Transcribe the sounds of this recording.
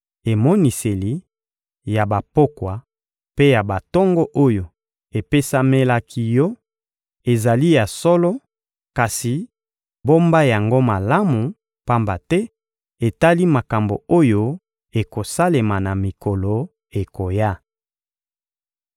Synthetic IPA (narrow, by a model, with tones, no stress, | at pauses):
e˨mɔ˦ni˨se˨li˦ | ja˨ba˨po˦kwa˨ | pe˦ja˨ba˨tɔ˦ŋɡɔ˦ʔo˦jo˨ | e˨pe˦sa˦me˦la˦kʰi˦jɔ˦ | e˨za˨li˦ja˨sɔ˦lɔ˦ | ka˨si˨ | bo˦mba˦ja˨ŋɡo˦ma˨la˦mu˨ | pa˦mba˨tɛ˦ | e˨ta˦li˦ma˨ka˨mbo̰˨o˦jo˦ | e˨ko˨sa˦le˨ma˨na˨mi˨ko˨lo˨ | e˨ko˨ja˦